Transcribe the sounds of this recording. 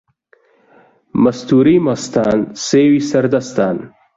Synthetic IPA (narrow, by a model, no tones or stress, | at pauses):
mɐst̪uɾimast̪aːnseːwisɐɾd̪ɐst̪aːn